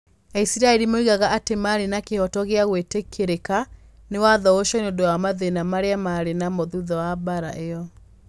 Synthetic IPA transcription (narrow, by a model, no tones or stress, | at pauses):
ɛisiɾaɛɾimoiɣaɣaatemaɾenakehɔtɔɣeaɣwetekʰeɾeka | newaðɔoʃɔneondowamaðenamaɾeamaɾenamoðuðɔwabaɾa̰ʔejɔ